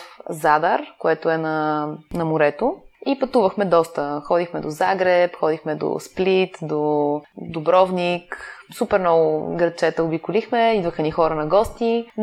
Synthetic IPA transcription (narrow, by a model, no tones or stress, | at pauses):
fzad̪əɾkoɛt̪oɛnɐnɐmʊɾɛt̪oipɐt̪uvəxmɛd̪ɔst̪əxɔd̪ixmɛd̪ozaɡɾɛpxɔd̪ixmɛd̪o̰split̪d̪od̪obɾɔvniksupɛɾnɔɡʊɡɾɐt͡ʃɛt̪əʊbikʊlixmɛid̪vəxɛnixɔɾənɐɡɔst̪i